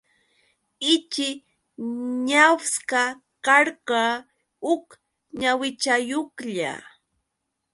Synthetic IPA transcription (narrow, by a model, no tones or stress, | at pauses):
ɪt͡ʃɪ | ɲawska | kɑɾɢɑ | ʊk | ɲawɪt͡ʃajokʎa̰